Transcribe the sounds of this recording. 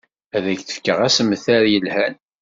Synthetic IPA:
æðæçθə̥fkəʁæsəmːəθæɾjəlhæn

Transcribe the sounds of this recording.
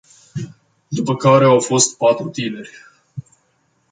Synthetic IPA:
d̪upəkaɾe̞awfo̞st̪̚pat̪ɾut̪ine̞rʲ

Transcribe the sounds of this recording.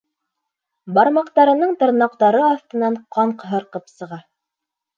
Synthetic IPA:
bɑɾmɑqt̪ɑɾɤ̆nɤɴt̪ɤ̆ɾnɑq̚t̪ɑɾɤɑθt̪ɤ̆nɑɴqʰɑɴqɦɤ̆ɾqɤpsɤ̆ʁɑ

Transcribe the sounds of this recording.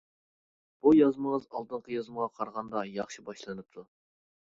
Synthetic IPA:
b̥ujɑzmɨŋəzɑlˠt̪ɨɴqʰəjɑzməʁɑqʰɑɾʁɑnd̪ɑjɑχʃibɑʃlˠɨnɨp̚t̪ʰu

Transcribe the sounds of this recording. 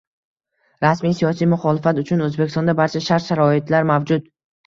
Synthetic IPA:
ɾasmijsijɒsijmʊχɒlɪfat̪ʊt͡ʃʰʊnɵzbekʲɪst̪ɔɒnd̪abaɾt͡ʃʰaʃaɾt̪ʃaɾɒɪt̪ʰlaɾmavd͡ʒʊd̪

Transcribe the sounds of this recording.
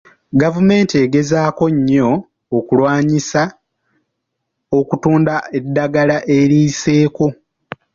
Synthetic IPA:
ɡavume̞ːntie̞ɡe̞zaːko̞ɲːo̞ː | kulwaːɲisa | o̞kutuːndae̞dːaɡalaʔe̞ɾiːse̞ːko̞

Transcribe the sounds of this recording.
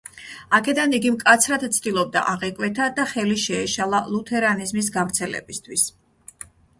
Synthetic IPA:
akʰɛd̪aniɡimkʼat̪sʰɾad̪t̪sʰd̪ʼilˠɔb̚d̪a̰ʔaʁɛkʼwɛt̪ʰad̪aχɛliʃɛːʃalˠalˠut̪ʰɛɾanizmis̬ɡavɾt̪sʰɛlɛ̰bist̪ʰwis

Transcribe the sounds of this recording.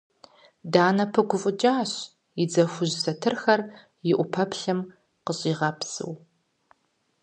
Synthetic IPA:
daːnɐpʰɨɡʷʊfʼʊt͡ʃʼaːɕ | jɪd͡zɐxʷʊʑsɐtʰɨrxɐr | jɪʔʷʊpʰɐpʰɬɐm | qəɕʼiːʁɐpsɨ̰w

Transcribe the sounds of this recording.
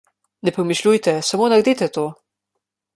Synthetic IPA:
nɛpɾɔmiʃlʲujt̪ɛsamonaɾd̪iːt̪ɛt̪oː

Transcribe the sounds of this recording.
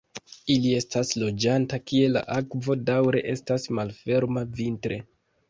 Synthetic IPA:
ilie̞staslo̞d͡ʒantakie̞la̰ʔakvo̞dawɾe̞̰ʔe̞stasmalfe̞ɾmavintɾʔe̞

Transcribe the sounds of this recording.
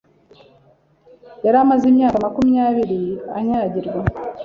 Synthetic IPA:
jaɾamazimɲaːkamakumijaːβiɾia̰ɲaːɟiɾɡwa

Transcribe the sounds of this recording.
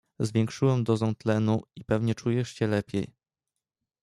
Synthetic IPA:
zvʲjeŋkʂɘwɛmd̪ɔzɔ̃w̃t̪lɛnuipɛvɲɛt͡ʂujɛʂt͡ɕɛlɛpʲjej

